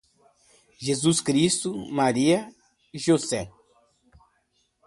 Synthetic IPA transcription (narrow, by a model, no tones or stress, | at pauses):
ʒezuskɾist̪umaɾiɐ | ʒosɛ